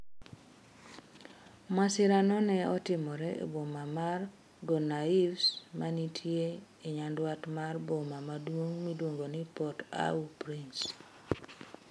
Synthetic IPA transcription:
masɪɾanɔnɛɔtɪmɔɾɛḛbomamar | ɡɔnaivsmanitʰje | eɲandwatmarbomamadwoŋmidwoŋɡonipɔta̰upɾins

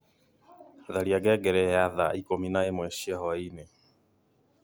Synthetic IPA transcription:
ðaliaɡɛɡɛɾɛaðaikɔminaɛmwɛʃiahɔinɛ

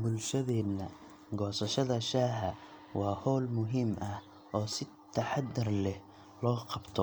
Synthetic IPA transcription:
bʊlʃɐðɛːnːɐ | ɡɔːsɐʃɐðɐʃaːɦɐ | wɑːhɔːlmʊɦɪmʔɐh | ʔɔːsɪ | t̪ʰːɐħad̪ːɪrlɛh | lɔːqɑbt̪ʰɔ

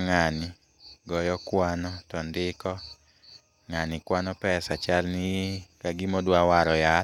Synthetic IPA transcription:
ŋanɪ | ɡɔjɔkwanɔtɔndɪkɔ | ŋanɪkwanɔpɛsat͡ʃalnɪkaɡɪmodwawaɾɔja

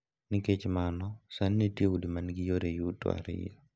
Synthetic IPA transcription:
niket͡ʃmanɔsanːiteudimanɡijoɾejutɔ̰a̰ɾɪ̰j

